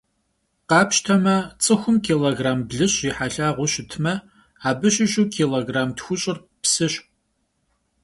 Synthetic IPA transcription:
qɑːpʃtʰɐmɐt͡sʼɨxʷʊmkʰiːloːɡraːmbɮɨɕiːħaɬaːʁʷʊɕɪtʰmɐ | aːbɨɕɪɕuːkʰiːloːɡraːmtxʷʊɕʼɪr | psɨɕ

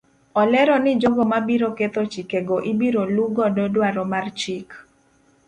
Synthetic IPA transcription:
ɔlɛɾɔnɪd͡ʒɔɡɔmabiɾoket̪ot͡ʃikeɡɔʔibiɾoluɡɔdɔdwaɾɔmart͡ʃik

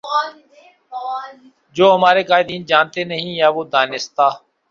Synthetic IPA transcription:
d͡ʒoːɦəmaːɾeːkaːɪd̪iːnd͡ʒaːnt̪eːnəɦĩːjaːʋoːd̪aːnɪst̪aː

